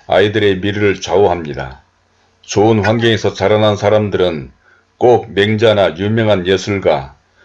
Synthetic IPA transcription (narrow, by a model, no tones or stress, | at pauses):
a̰idɯɾe̞miɾɯɾɯɭt͡ɕaoɦamɲida̰ | t͡ɕoɯnɸwanɡʌŋe̞sʰʌt͡ɕaɾanansʰaɾamdɯɾɯn | k͈ok̚me̞ŋd͡ʑanajumjʌŋɦanjesʰuɭɡa